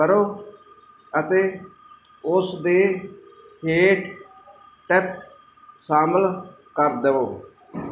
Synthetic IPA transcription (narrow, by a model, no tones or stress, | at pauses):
əɾoː | ət̪eː | ʊsd̪eː | heːʈ | ʈɛp̚ | saːməl | kəɾd̪əʋoː